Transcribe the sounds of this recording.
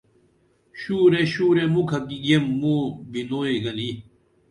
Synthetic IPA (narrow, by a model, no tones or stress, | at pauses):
ɕuːɾeɕuːɾemukʰɐkiɡemːubinoːiɡɐli